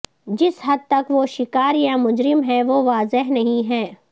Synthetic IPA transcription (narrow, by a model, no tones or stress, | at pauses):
d͡ʒɪsɦɐd̪̚t̪ɐkʋoʃɪkaːɾjamʊd͡ʒɾɪmɦɛʋoːʋaːzɪɦnɐɦĩɦɛː